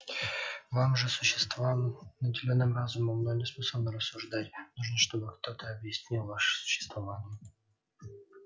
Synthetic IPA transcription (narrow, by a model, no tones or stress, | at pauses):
vamʐɨsʊɕːɪ̥st̪vvanədʲɪlʲonːɨmrazʊməmnoɡəsmɨsəbnəɾəsːʊʐd̪atʲnuʐnəʂt̪o̞bɨkt̪o̞t̪ʰəɐbjɪsʲnʲilˠvaʂɨ̥sʊ̥ɕːɪ̥st̪vɐvanʲɪjɪ